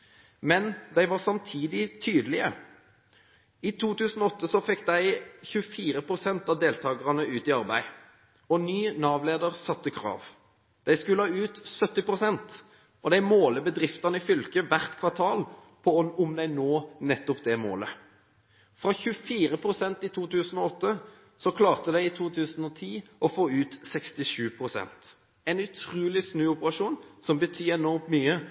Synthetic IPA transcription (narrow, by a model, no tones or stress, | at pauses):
mɛnd̪æɪʋɑsɑmt̪ʰiːd̪ɪt̪ʰyːd̪əlɪə | it̪ʰuːt̪ʉːsn̩ɔɔt̪ːəsɔfɛkːd̪æɪçʉəfiːɾəpʰʁʊsɛnt̪ɑʋd̪eːlt̪ʰɑːɡəʁɑnəʉːt̪ɪɑʁbæ̰ɪ | ɔnyːnɑːʋleːd̪əʁsɑt̪ːəkʰɾɑ̰ːʋ | d̪̥æɪskʉləɑːʉːt̪sœt̪ːɪpɾʊsɛnt̪ | ʔɔd̪æɪmoːləbəd̪ɾɪft̪ɑnəɪfʏlkəʋæʁt̪kʰʋɑt̪ʰɑːl | pʰɔʊmd̪æɪnoːnɛt̪ːɔpd̪ɛmo̰ːlə | fɾɑçʉəfiːɾəpʰɾʊsɛnt̪ɪt̪ʰuːt̪ʉːsən̩ɔɔt̪ːə | sɔkʰlɑːʁt̪əd̪æɪɪt̪ʰuːt̪ʰʉːsən̩ɔt̪ʰiːʔɔfoːʉːt̪sɛkst̪ɪʂʉːpʰʁʊsɛ̰nt̪ | ɛnʉt̪ʰʁuːlɪsnʉːʊpəʁɑʂuːnsɔmbət̪ʰyːɛnɔʁmmyːə